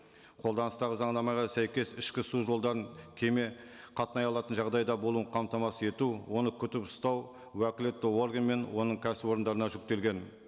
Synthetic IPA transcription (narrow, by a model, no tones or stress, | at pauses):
qʰo̞lˠd̪ɑnəst̪ɑʁəzɑɴd̪ɑmɑʁɑsæjkʲe̞sɪʃkʲɪsuʒo̞lˠd̪ɑɾəŋkʲʰe̞me̞ | qʰɑt̪ənɑjɑlˠɑt̪ənʒɑʁd̪ɑjd̪ɑbolˠuqʰɑmt̪ɑmɑsəe̞t̪uwo̞nəkʲʰʏt̪ɪpʊ̥st̪ɑw | wækʲɪle̞t̪ːɪo̞rɡʲenme̞nwo̞nəɴkʲʰæsɪbo̞ɾənd̪ɑɾənɑʒʏk̚t̪e̞lɡʲe̞n